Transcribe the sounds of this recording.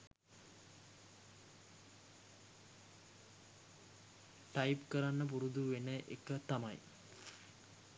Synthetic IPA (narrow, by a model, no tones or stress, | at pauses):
ʈajpkəɾanːəp̬uɾud̪uʋenəʔekət̪amɐj